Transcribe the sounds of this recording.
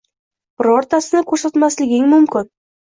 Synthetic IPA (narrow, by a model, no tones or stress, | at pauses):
b̥ɪɾɔɾt̪ʰasɪnɪkʰɵɾsat̪maslɪɡʲɪŋmʊmkʲɪn